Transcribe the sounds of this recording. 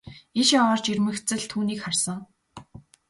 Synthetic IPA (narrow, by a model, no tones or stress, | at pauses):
iʃjaɔːrt͡ɕirmɘ̆xt͡sɘ̆ɮt̪ʰuːniːkχarsə̆ŋ